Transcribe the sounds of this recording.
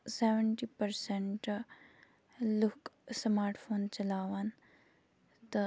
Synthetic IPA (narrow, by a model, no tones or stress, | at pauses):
seːʋəɳʈiːpəɾseɳʈ | luksmaːɾʈfʰoːnt͡ʃɐlaːʋaːn | t̪ɐ